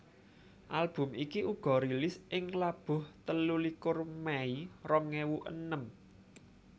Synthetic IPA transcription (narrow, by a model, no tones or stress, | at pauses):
ʔalb̥ʊ̤mʔikiʔuɡ̥ɔ̤ɾilɪsɪŋlab̥ʊ̤ht̪əlulikʊrmɛirɔŋewuʔə̰nəm